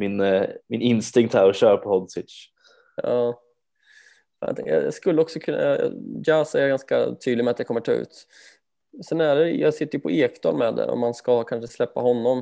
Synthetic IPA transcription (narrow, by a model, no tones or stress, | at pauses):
mɪnmɪnɪnst̪ɪŋk̚t̪hæɾɔɕœːɾapʰɔhɔd̪swɪt̪ʂ | ɑː | fj̰t̪ʰɛŋkjjɑ̰skɵlːəɔksɔkʰɵna̰d͡ʒæsɛɾjaɾɡanska̰t̪ʰyːd̪lɪmɛat̪djɛakɔmːəʈʰɑːʉ̟̰ːt̪ | sɛnæɖɛjɑsɪt̪ːəjɵpʰɔeːkd̪ɑ̰ːlmɛd̪ɛ̰ɾɔ̰manskakʰanʂəslɛpːahɔnːɔm